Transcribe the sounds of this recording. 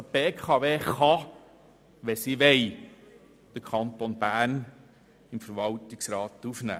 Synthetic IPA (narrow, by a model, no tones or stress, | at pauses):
b̥eːkʰɑʋeːχɑ | ʋɛsiʋɛj | d̥əkʰχɑnt̪onb̥æːn | ɪmfəɾʋɑltɪksɾɑːt̪ufnæ̰ː